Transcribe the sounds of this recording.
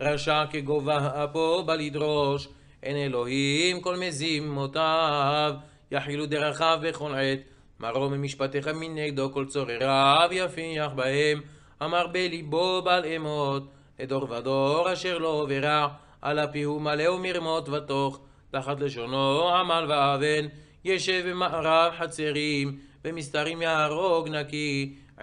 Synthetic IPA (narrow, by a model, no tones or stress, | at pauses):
ʁaʃakeɡovaapobalid̪ʁoʃ | enelo̞himko̞lmezimːot̪av | jaħilud̪eʁaχavbeχonʕet̪ | mʔaʁomemiʃpat̪eχamineɡ̚d̪oko̞lt͡soʁeʁavjafiaħbahem | amaʁbelibobalemot̪̚ | ed̪o̞ʁvad̪oʁaʃeʁlo̞oveʁa | ʔa̰lapihumaleumiʁmo̞t̪vat̪oχ | t̪aħat̪leʃ̬onoʕamalvaaven | jeʃevemaʔaʁavħat͡seʁimbemist̪aʁimjaaʁoɡnaki